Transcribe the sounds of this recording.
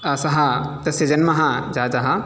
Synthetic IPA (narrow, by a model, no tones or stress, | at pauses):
ɐsɐɦɐt̪ɐsɐd͡ʒɐnmɐɦɐd͡ʒaːd̪ɐɦɐ